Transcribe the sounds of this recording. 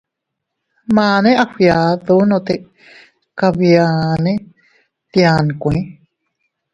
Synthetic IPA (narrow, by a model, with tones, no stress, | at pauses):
maː˧nẽ˦ʔahja˨ðu˧˦nõ˧t̪e˧ | kaβjane˦ | t̪ja˨nkʷẽ˦